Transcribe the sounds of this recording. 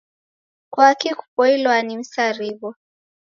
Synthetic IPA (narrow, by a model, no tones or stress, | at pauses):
kwakiku̥pɔilɔanim̩saɾiβɔ